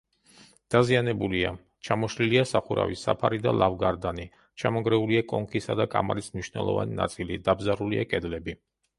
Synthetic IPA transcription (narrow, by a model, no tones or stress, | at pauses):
d̪̥azianɛbulia | t͡ʃʰamɔʃliliasaχuɾa̰visa̰pʰaɾid̪a̰lˠavɡaɾd̪ani | t͡ʃʰamɔɡɾɛuliakʼɔŋkʰisad̪akʼa̰malismniʃnɛ̰lˠɔ̰va̰nina̰t̪sʼilḭd̪abzaɾuliakʼɛd̪lɛbi